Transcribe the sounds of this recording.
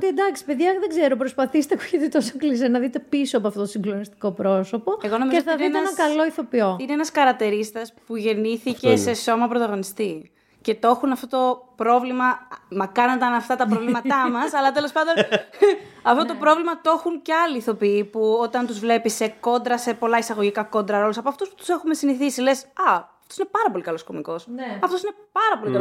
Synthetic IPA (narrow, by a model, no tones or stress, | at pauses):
ot̪ied̪ɐksi̥pe̞ðʝɐðeɡze̞ɾopɾospɐθist̪eku̥çit̪et̪o̞soklis̬enɐðit̪e̞pisoɐpoɐft̪ot̪osiŋɡlonist̪i̥ko̞pɾo̞so̞po̞eɣonɐmieoθɐðitenɐkɐlo̞iθo̞pio̞ineenɐskɐɾɐkt̪eɾist̪ɐspuʝe̞niθicesseso̞mɐpɾot̪ɐɣo̞nist̪i | ce̞t̪o̞xunɐft̪ot̪o̞pɾo̞vlimɐmɐkɐnod̪ɐnɐft̪ɐt̪ɐpɾovlimɐt̪ɐmɐsɐlɐt̪e̞lo̞spɐnd̪o̞n | ɐft̪ot̪o̞pɾo̞vlimɐt̪o̞xunceɐliːθo̞piipuo̞t̪ɐnt̪uzvle̞pise̞ko̞nd̪ɾɐse̞po̞lɐisɐɣoʝikɐko̞nd̪ɾɐɾolusɐpoɐft̪uspu̥t̪u̥se̞xume̞siniθisile̞sɐɐft̪osinepɐɾɐpo̞likɐlo̞sko̞miko̞sɐft̪osine̞pɐɾɐpo̞likɐl